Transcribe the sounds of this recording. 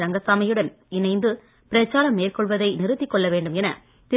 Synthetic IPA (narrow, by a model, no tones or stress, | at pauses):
ɾɐŋɡɐsaːmɐjɯɽɐn | ɪnɐɪnd̪ɯ | pɪɾɐt͡ʃːaːɾɐmːeːrkɔɭʋɐðɐɪnɪɾɯt̪ːɪkːɔɭːɐʋeːɳɖɯmɛnɐ̰ | t̪ɪ